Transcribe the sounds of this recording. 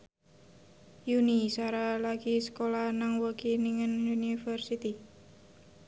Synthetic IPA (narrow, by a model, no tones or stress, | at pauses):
junisaɾalaɡisə̥kolahnaŋwəkiniŋənjunifərsit̪i